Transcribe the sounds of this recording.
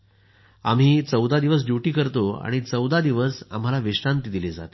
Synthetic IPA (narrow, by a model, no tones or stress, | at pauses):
a̰m̤iːt͡səwd̪ad̪iʋəs̬ɖjuʈiːkəɾt̪oa̰ɽ̃it͡səwd̪ad̪iʋəsa̰m̤alaʋiʂʈant̪id̪iled͡za̰t̪